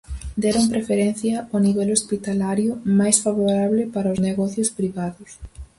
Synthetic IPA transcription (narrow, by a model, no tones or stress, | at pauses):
d̪ɛɾompɾefeɾɛn̟θjɐoniβɛlospit̪alaɾjʊmajsfaβoɾaβlɪpaɾɐozneɣɔθjʊspɾiβaðʊs